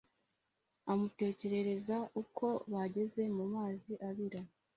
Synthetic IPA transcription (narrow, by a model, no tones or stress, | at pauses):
amute̞ːce̞ɾe̞ɾe̞zaʔukʰo̞βaɟe̞ze̞mumaːziʔaβiɾa